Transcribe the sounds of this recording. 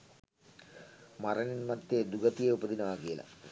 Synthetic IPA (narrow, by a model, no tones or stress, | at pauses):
mɐrɐninmɐt̪ːed̪uɡɐt̪ijeubɐd̪inɐʋaːkijɐlɐ̰